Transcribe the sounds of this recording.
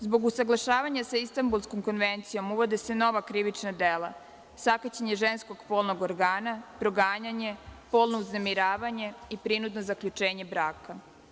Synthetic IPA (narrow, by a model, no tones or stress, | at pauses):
zbo̞ɡusaɡlˠaʃaːʋaɲasaist̪ambulˠsko̞mko̞nʋent̪sijo̞muʋo̞d̪ese̞no̞ʋakɾiʋit͡ʃnad̪eːlˠa̰ | sakat͡ɕeɲeʒe̞nsko̞ɡpo̞ːlˠnoɡoɾɡaːnapɾo̞ɡaːɲaɲe̞po̞ːlˠno̞uznemiɾaːʋaɲe̞ipɾinud̪no̞zakʎut͡ʃe̞ːɲe̞bɾaːka